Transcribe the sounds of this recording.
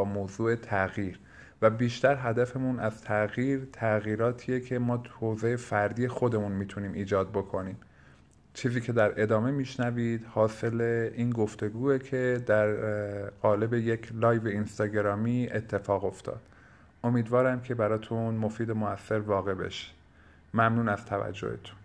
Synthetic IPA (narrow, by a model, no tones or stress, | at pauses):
mozuːe̞t̪ʰæɣiːɾ | væbiːʃt̪æɾɦæd̪æfe̞munæz̥t̪ʰæɣiːɾt̪ʰæɣiːɾɒːt̪ʰiːjecʰe̞mɒːt̪hozejefæɾd̪iːexo̞d̪e̞munmiːt̪ʰuniːmʔiːd͡ʒɒːd̪̚bo̞kʰo̞niːm | t͡ʃʰiːziːcʰe̞d̪æɾʔe̞d̪ɒːme̞miːʃnæviːd̪̥hɒːse̞leiːnɡo̞ft̪e̞ɡuːecʰe̞d̪æɾɣɒːle̞be̞jecʰlɒːjveinst̪ɒːɟeɾɒːmiːet̪ʰːe̞fɒːɣo̞ft̪ʰɒ̰ːd̪̥ | o̞miːd̪vɒːɾæmcʰe̞bæɾɒːt̪ʰunmofiːd̪e̞moæsːe̞ɾvɒːɣe̞be̞̰ʃi̥ | mæmnuːnæst̪ʰævæ̰d͡ʒːo̰hḛt̪ʰu̥n